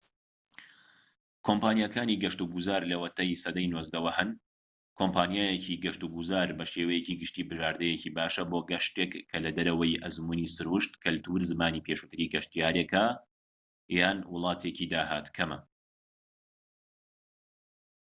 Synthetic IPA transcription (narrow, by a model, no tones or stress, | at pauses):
kʰompaːnjakʰaːniɡɐʃt̪uɡuzaːɾlɐwɐt̪ɐjsɐd̪ɐjnozd̪ɐwɐhɨn | kʰompaːnjaːjecʰiɡɐʃt̪uɡuzaːɾbɐʃeːwɐjeciːɡɨʃt̪iːbɨʒaːɾd̪ɛjeciːbaːʃɐboːɡɐʃt̪ekkʰːɐlɐd̪ɐɾɐwɐjʔɐzmunisɨɾuʃt̪kʰɐlt̪uːɾzɨmaːniːpʰeʃuːt̪ɨɾiːɡɐʃt̪ijaːɾeka | jaːnwʊlˠɑːt̪ʰecid̪aːha̰ːt̪kʰɐmɐ̰